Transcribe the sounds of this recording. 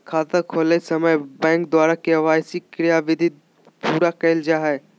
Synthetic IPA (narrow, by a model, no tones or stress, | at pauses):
kʰaːt̪əkʰoːlesɐməjbɛ̃ːŋk̚d̪waːɾakeɐʋaːjsikɾɪjaʋɪd̪ʱi | puːɾakɛːld͡ʒaːɦɛ